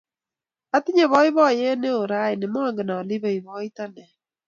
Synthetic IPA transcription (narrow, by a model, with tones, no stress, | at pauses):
a˦ti˦ɲe˨βɔ˦i˦βɔ˦˨je˦ne˦o˨ɾa˦i˨nɪ˨mɔ˦ŋɡe˨naː˨li˦βe˨i˨βɔ˦i˦ta˦nɛ˨